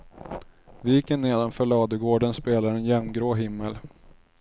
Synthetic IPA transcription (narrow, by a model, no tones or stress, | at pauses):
vijːɪkːənːeːd̪amfœɭɑːd̪əɡoːɖənspeːlad̪ɛnjɛmmɡɾoːɦɪmːəl